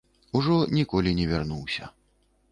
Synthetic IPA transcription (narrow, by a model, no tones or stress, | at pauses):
uʐɔnʲikɔlʲinʲɛvʲarnuwsʲɐ̰